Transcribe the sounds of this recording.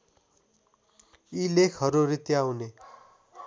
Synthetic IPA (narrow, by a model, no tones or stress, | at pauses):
ilekʰɦʌɾurit̪jawne